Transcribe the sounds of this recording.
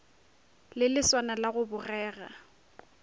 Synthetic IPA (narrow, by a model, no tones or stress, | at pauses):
lɪlɪswanalaɣʊbʊrɛːɣa̰